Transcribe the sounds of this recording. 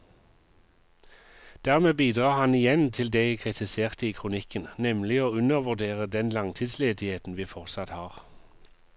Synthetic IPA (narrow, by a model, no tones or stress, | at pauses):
d̪̥æʁmeːbiːd̪ʁɑːhɑnɪjɛnt̪ʰɪld̪ekʰʁɪt̪ʰɪseːʁt̪əiːkʰʁʊnɪkənnɛmlɪoːʉnəʁʋʉʁd̪eːʁəd̪ɛnlɑŋt̪ʰiːd̪sleːd̪ɪheːt̪n̩ʋiːfɔʁsɑt̪hɑːʁ